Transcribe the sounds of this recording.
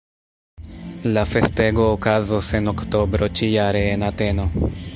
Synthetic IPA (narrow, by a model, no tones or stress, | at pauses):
lafe̞ste̞ɡo̞ːkazose̞nokto̞bɾo̞t͡ʃijaɾeːnate̞no̞